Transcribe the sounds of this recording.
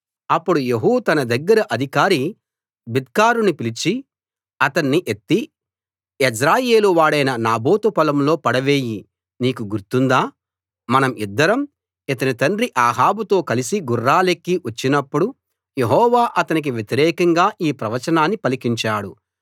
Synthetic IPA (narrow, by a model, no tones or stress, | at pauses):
ɐpːuɽujeɦuːt̪ɐnɐd̪ɐɡːɐɾɐʔɐd̪ʱikaːɾi | bid̪kaːɾunupilit͡ʃi | ɐt̪ɐnːiʔet̪ːi | esɾaːje̞ːluʋaːɽɐjnɐnaːboːt̪upɐlɐmlo̞ːpɐɽɐʋeːji | niːkuɡuɾt̪und̪aː | mɐnɐmid̪ːɐɾɐm | it̪ɐnit̪ɐɳɾiʔaːɦaːbut̪o̞ːkɐlisiɡurːaːlekːiʔɐt͡ʃːinɐpːuɽu | je̞ɦɔːʋaːʔɐt̪ɐnik̬iʋjet̪iɾɛːkɐŋɡaːʔiːpɾɐʋɐt͡ʃɐnaːnːipɐlikiɲt͡ʃaːɽu